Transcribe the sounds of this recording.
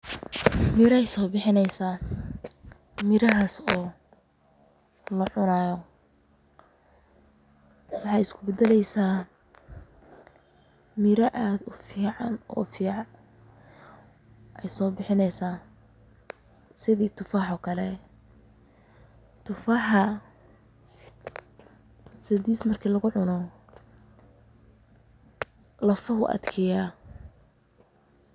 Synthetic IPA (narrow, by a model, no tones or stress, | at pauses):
mɪɾɛjsɔːbɪħɪnɛjsaː | mɪɾɐɦasɔː | lɐʕʊnaːjɔ | wɑħɑjɪskʰʊbɛd̪ɛlɛjsaː | mɪɾɐʔaːd̪ʊfiːʕɑnɔ̰ːfiːʕ | ʔɛjsɔːbɪħɪnɛjsaː | sɪðiːt̪ʰʊfaːħɔːkʰɐlɛ | t̪ʰʊfaħɐ | sɪðiːsmɐrkʰiːlɐɣʊʕʊnɔ | lɐfɐɦʊʔɐ̰d̪kʰɛjaː